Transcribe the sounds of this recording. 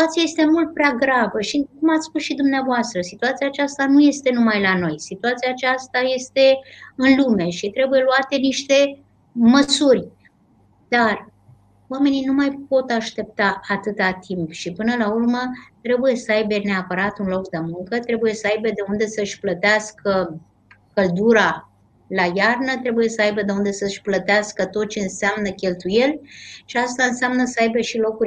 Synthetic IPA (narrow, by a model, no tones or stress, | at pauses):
it̪uat̪sijaje̞st̪e̞mult̪̚pɾeaɡɾavəʃikumat̪sʲspusʃid̪umneavoast̪ɾəsit̪uat̪siaːt͡ʃast̪anuje̞st̪e̞numajlano̞jsit̪uat̪siaːt͡ʃast̪aje̞st̪e̞ɨnlume̞ʃit̪ɾe̞buje̞luat̪e̞niʃt̪e̞ | məsurʲ | d̪̥ar | wame̞ninumajp̚o̞t̪aʃt̪e̞p̚t̪aʔat̪ɨt̪at̪ʰimpʃipɨnəlaurmət̪ɾe̞buje̞səajbe̞neapəɾat̪unlo̞kd̪emuŋkət̪ɾe̞buje̞səajbe̞d̪e̞und̪e̞səʃʲplət̪easkə | kəld̪uɾa | lajarnət̪ɾe̞buje̞səajbəd̪e̞und̪e̞səʃʲplət̪easkət̪o̞t̪̚t͡ʃe̞ɨnseamnəkʲe̞lt̪uje̞lʲʃiast̪aɨnseamnəsəajbeʃilo̞kuɾʲ